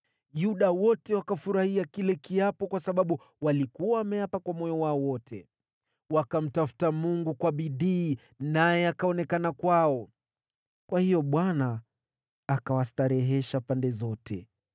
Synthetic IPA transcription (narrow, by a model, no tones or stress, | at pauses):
juɗawɔtɛwakafuɾahiakilɛkiapɔkwasaɓaɓu | walikuwaːmɛjapakwamɔjɔwaɔwɔtʰɛ | wakam̩tafu̥tamuŋɡukwaɓiɗiː | najɛakaɔnɛkanakwaɔ | kwahijɔɓwanaː | kawastaɾɛɦɛʃapandɛzɔtɛ̰